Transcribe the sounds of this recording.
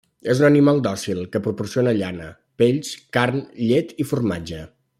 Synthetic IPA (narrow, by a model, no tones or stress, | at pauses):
ezunənimalˠd̪ɔsilˠkəpɾupursionəʎanə | peʎskarnʎet̪ifurma̰d͡ʒə